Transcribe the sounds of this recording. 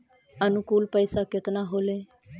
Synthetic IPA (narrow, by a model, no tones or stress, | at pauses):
ənʊkuːlpəɪsakɪt̪naɦoːleː